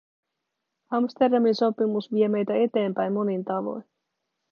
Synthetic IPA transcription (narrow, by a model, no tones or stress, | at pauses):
ɑmst̪e̞rdɑminso̞pimusʋie̞me̞jt̪æe̞t̪e̞ːmpæjmːo̞nint̪ɑʋo̞̰jn